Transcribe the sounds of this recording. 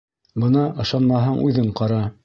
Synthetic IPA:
bɤ̆nɑʔɤ̆ʃɑnmɑɦɑɴʔʉ̰ðɘɴqɑɾɑ

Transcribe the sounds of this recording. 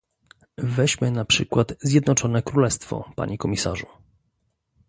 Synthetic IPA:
vɛʑmɘnapʂɘkwat̪zʲjɛd̪nɔt͡ʂɔnɛkɾulɛst̪fɔ̰pa̰ɲɛkɔmʲisa̰ʐu

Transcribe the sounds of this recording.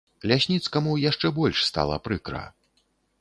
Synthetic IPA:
lʲasʲnʲit̪skɐmujaʂt͡ʂɛbɔlʲʂst̪a̰lˠɐ̰pɾɨkɾɐ̰

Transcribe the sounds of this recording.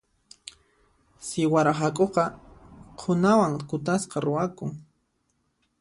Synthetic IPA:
sɪwaɾaɦakʼoqɑqʰʊnawaŋkʊt̪asqɑɾʊwakʊŋ

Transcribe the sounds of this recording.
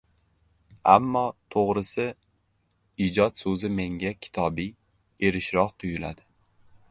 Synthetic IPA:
amːɒt̪ʰoʁɾɪsɪ | id͡ʒɒt̪sɵzɪme̞ŋʲakʲʰɪ̥t̪ʰɒbi | e̞ɾɪʃɾɒht̪ʰʊjɪla̰d̪ɪ

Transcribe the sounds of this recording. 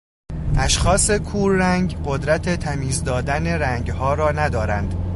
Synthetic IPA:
ʔæʃxɒːse̞kʰuːɾːæŋɡɢo̞d̪ɾæt̪ʰet̪ʰæmiːzd̪ɒːd̪æne̞ɾæŋɡhɒːɾɒːnæd̪ɒːɾænd̪̥

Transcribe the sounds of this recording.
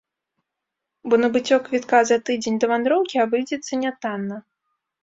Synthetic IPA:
bɔnɐbɨt͡sʲɔkvʲit̪kazat̪ɨd͡zʲenʲd̪ɐvand̪ɾɔwkʲiabɨjd͡zʲɛt̪sːɐnʲat̪anːɐ

